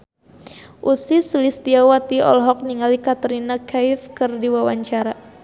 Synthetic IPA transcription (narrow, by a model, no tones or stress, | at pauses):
ʔusisulist̪iawat̪iɔ̰lɦɔk̚niŋalikat̪əɾinakaɪfkɨrdiwawaɲt͡ʃaɾa